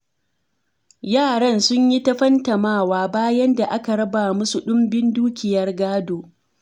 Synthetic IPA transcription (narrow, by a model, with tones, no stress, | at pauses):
jaː˦˨ɽɐ˦˨nsʊ˦ɲji˦tɐ˦ɸɐ˦ntɐ˨maː˦˨waː˦baː˦jɐ˦nda˨ʔa˦ka˨ɽɐ˦ba˨mʊ˦su˨ɗʊ˦mbɪ˦nduː˦kʲɪ˨jɐ˦rɡaː˦doː˨